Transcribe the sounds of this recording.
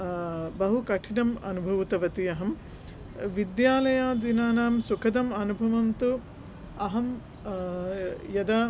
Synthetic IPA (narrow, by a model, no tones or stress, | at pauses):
bɐɦukɐʈʰinɐmɐ̰nubʱɐʋt̪ɐʋɐt̪ijɐɦɐm | ʋid̪jaːlɐjaːd̪inaːnaːmsukʰɐd̪ɐmɐnubʱɐʋɐnt̪u | ɐɦɐm | jɐd̪ɐ